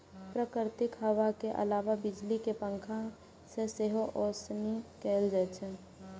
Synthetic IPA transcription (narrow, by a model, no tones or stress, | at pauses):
pɾəkɪɾt̪ɪkɦəʋakeʔə̰laːʋabɪd͡ʒlikepə̃ŋkʰã | seseɦoʔɔːsnikɛːld͡ʒɛt͡ʃʰɛ